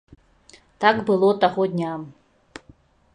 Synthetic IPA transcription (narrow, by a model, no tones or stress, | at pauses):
t̪akbɨlˠɔt̪aɣɔd̪ʲnʲam